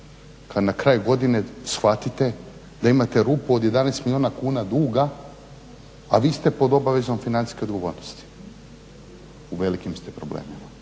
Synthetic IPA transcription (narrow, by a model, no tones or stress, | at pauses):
kad̪nakɾaːjuɡo̞d̪ine̞sxʋat̪it̪e̞ | d̪aimat̪e̞ɾuːpuod̪je̞d̪anest̪milioːnakuːnad̪uːɡa | ʋiːst̪e̞po̞d̪o̞baʋe̞zo̞mfinani̥ske̞o̞d̪ɡo̞ʋo̞ːɾnost̪i̥ | uʋe̞likimst̪e̞pɾo̞blḛːmima